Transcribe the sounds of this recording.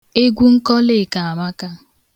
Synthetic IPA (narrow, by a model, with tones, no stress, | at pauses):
e˦ɡʷu˦ŋ̩˦kɔ˦le˦˨ka˨a˨ma˦ka˦